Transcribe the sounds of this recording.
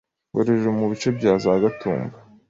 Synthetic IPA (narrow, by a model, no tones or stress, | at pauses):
ɡoɾeʒemuβit͡ʃe̞bɟaːzaɡatṵːmba